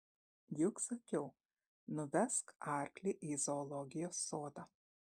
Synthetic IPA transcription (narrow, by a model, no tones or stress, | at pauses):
jɪksɐkʲɛʊ | nʊʋʲɛskɑˑɾʲklʲiʔizoːlˠɔɡʲɪjoːsːoːd̪ɑ